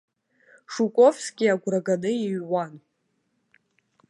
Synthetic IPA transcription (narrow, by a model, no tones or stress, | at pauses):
ʂukʷʼovsɡʲiaɡʷraɡanɨiɥwan